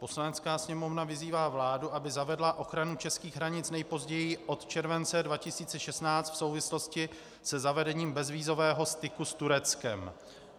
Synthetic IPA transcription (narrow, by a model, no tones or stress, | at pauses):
po̞slanɛt͡skaːsɲɛmo̞vnavɪziːvaːvlaːduʔabɪzavɛdlaʔo̞xɾanut͡ʃɛskiːɣɦɾaɲɪt͡snɛjpo̞zɟɛjɪʔo̞t̪t͡ʃɛɾvɛnt͡sɛdvacɪsiːt͡sɛʃɛsnaːt͡st̪fsowvɪslo̞scɪ | sɛzavɛdɛɲiːmbɛzviːzo̞vɛːɦo̞st̪ɪkust̪uɾɛt͡skɛm